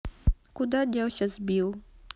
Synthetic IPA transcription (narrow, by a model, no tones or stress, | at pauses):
kud̪adʲawɕʲazbiw